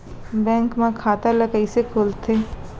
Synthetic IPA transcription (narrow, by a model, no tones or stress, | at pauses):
bɛ̃ːŋkmẽkʰaːt̪əlɐɡəisekʰoːlt̪ʰeː